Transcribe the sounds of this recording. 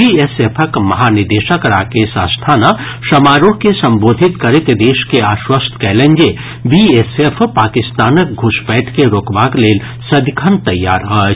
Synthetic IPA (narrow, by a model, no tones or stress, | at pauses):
biesepʰəkmɐɦaːnɪɾd̪eːʃəkɾa̰ːkesa̰ːst̪ʰaːna | ʃɐmaːɾokesɐ̃mboːd̪ʱit̪kɐɾet̪d̪eːʃkeaːʃwəst̪ʰkɛːlẽɲd͡ʒe | biesefʰpaːkɪst̪aːnək̚ɡʱʊʃbɛːʈʰkeɾoːkbaːkleːl | sɐd̪ʱkʰənt̪ɐjːa̰ːɾɦə